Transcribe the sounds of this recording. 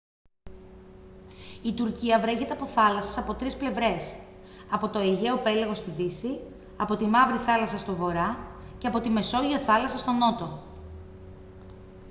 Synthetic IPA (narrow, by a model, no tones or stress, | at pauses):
it̪uɾciɐvɾe̞çet̪e̞ɐpo̞θɐlɐsɐsɐpo̞t̪ɾisple̞vɾe̞sɐpo̞t̪o̞eʝe̞o̞pe̞leɣo̞st̪iðisi | ɐpo̞t̪imɐvɾiθɐlɐsɐst̪o̞vo̞ɾɐ | ce̞ɐpo̞t̪ime̞so̞ʝoθɐlɐsɐst̪o̞no̞t̪o̞